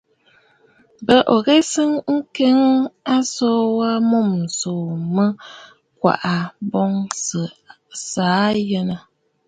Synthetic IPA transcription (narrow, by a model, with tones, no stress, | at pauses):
bə˨ʔo˨ɣe˦sɨ˦ŋŋ̩˦ke˦ŋ˦a˦sɔ˦wa˦mo˦˨m˨so˨mə˦ | kwa̰˨ʔa˨bɔ˦ŋsə˨ | saː˨˦jɛ˦nə˨